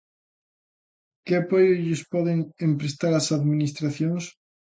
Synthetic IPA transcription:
keapojoeʎospɔðeŋẽmpɾest̪aɾasaðminist̪ɾaθjoŋs

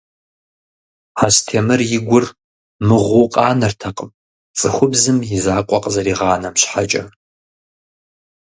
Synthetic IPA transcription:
astʰemɨrjɪɡʷʊr | mɨʁʷʊqʼɑːnɐrtʰɐqʼəm | t͡sʼɨxʷʊbzɨmjɪzaːkʷʼɔqʼzɐɾiːʁɑːnɐmɕħat͡ʃʼɐ

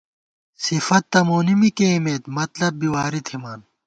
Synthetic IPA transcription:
sifɐt̪ːɐmoːnimikeimeːt̪mɐt̪lɐbbiwaːɾit̪ʰimaːn

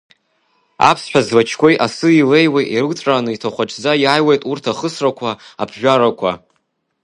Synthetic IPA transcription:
a̰pʰsħʷᶣazwat͡ʃʰkʷo̞jʔasɨile̞jwejʔiɾɨt͡sʼaːnɨitʰaχʷaʈ͡ʂʰʼd͡zajaːjwejtʼurtʰaχəsrakʷʰaapʰʒᶣʷaɾakʷʰa̰

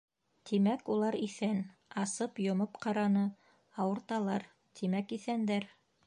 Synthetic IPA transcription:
t̪ʰimækulˠɑɾiθænɑsɤpjŏmɤpqɑɾɑnɤ | ɑwɤ̆ɾt̪ɑlˠɑɾ | t̪ʰimækiθænd̪æɾ

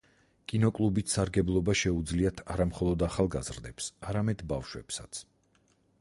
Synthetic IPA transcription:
kʼinɔkʼlˠubit̪saɾɡɛblˠɔbaʃɛud̪zliat̪ʰaɾamχɔlˠɔd̪aχalˠɡazɾd̪ɛpsaɾamɛd̪bafʃwɛpsat̪sʰ

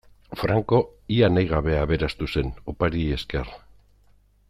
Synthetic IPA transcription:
fɾaŋko̞ianajɣ̞aβ̞e̞aβe̞ɾast̪use̞nopaɾie̞ske̞r

